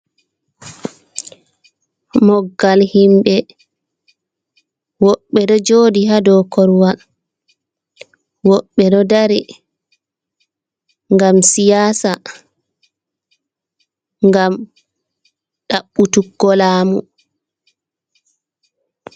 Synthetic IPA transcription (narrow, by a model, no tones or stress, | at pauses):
mɔɡːalhimɓɛ | wɔɓːɛɗɔd͡ʒoːdiɦadɔkɔɾwal | wɔɓːɛɗɔdaɾi | ŋɡamsijaːsa | ŋɡam | ɗaɓːutuɡːɔlaːmṵ